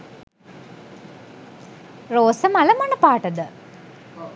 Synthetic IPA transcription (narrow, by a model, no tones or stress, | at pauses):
roːsəmaləmanəpaːʈəd̪ə